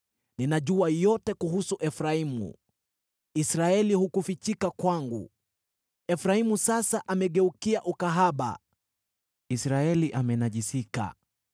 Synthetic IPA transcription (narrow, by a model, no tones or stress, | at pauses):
ninaʄuajɔtɛkuɦusuʔɛfɾaimṵ | isɾaɛlihukufit͡ʃikakwaŋɡṵ | ɛfɾaimusasaʔamɛɠɛukiaʔukaɦaɓa̰ | isɾaɛliʔamɛnaʄisika̰